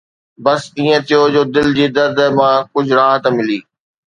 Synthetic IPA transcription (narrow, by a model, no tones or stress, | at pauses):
bɐsiːẽt̪ʰijod͡ʑoːd̪ɪld͡ʑiːd̪ɐɾd̪əmãkʊd͡ʑʱɾaːɦt̪əmɪliː